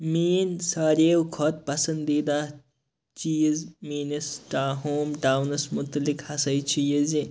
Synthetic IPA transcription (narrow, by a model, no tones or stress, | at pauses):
miːnsaːɾeːwkʰɔt̪̚pɐsɐnd̪iːd̪aː | t͡ʃijizmiːnisʈaːɦoːmʈaːwnɐsmut̪ɐlikhɐsɐjt͡ʃʰijizi